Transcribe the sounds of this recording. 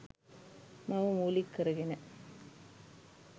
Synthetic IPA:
mɐʋɐmuːlɪkːɐɾɯɣɪnɐ

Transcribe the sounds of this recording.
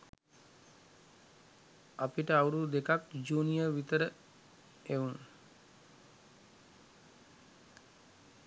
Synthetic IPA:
apiʈəauɾud̪ekakd͡ʒuːnijəʋit̪əɾə | eun

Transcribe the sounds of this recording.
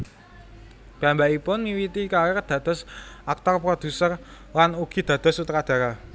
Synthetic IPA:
ɡ̥a̤mbaipʊnmiwit̪ikawɛrd̪̥ä̤d̪̥ɔ̤sʔak̚t̪ɔrpɾod̪̥ṳsər | lanuɡ̥i̤d̪̥ä̤d̪̥ɔ̤sut̪ɾad̪̥a̤ɾa

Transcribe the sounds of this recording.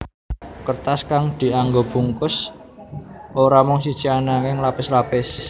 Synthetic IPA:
kərt̪askaŋd̪̥i̤aŋɡob̥uŋkʊs | ʔoɾamɔŋsid̥ʒ̥ianaŋɪŋlapɪslapɪs

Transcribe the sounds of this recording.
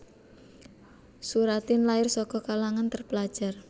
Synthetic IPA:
suɾat̪ɪnlaɪrsɔkɔkalaŋant̪ərpəlad̥ʒ̥a̤r

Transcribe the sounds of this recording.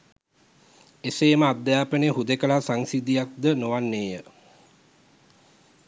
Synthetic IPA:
eseːməad̪ːjaːpəneɦud̪ekəlasaŋsid̪ijak̚d̪ənoʋanːeːjə

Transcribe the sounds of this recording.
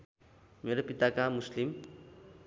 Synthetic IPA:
meɾopit̪akamuslim

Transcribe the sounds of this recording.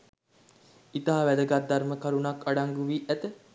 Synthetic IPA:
it̪aɦaʋæd̪əɡat̪̚d̪arməkaɾunakaɖaŋɡuʋiːʔæt̪ə

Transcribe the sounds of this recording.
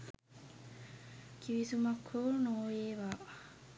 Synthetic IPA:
kʰiʋisumɐkʰːoːnoːjeːʋaː

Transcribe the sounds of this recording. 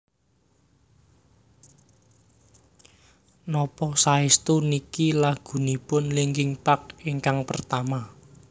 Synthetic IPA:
nɔpɔsaist̪unikilaɡ̥ṳnipʊnleŋɡɪŋpak̚iŋkaŋpərt̪ama

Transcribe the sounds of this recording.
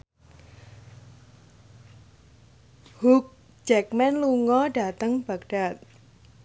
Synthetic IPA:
huk̚ | d͡ʒɛk̚mɛnluŋɔɖat̪aŋb̥ək̚ɖat̪̚

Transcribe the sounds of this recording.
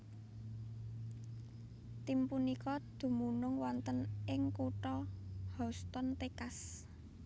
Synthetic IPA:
t̪impunikɔd̪̥ṳmunʊŋwɔnt̪ənɪŋkuʈɔhɔst̪ɔnt̪ekas

